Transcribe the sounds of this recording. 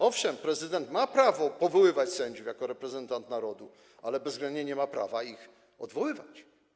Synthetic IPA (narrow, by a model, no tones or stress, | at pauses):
ɔfʂɛmpɾɛzɘd̪ɛnt̪mapɾavɔpɔvɔwɘvat͡ɕsɛɲd͡ʑufjakɔɾɛpɾɛzɛnt̪ant̪naɾɔd̪u | alɛbɛzːɡlɛnd̪ɲeɲɛmapɾa̰vaix | ɔ̰d̪vɔwɘvat͡ɕ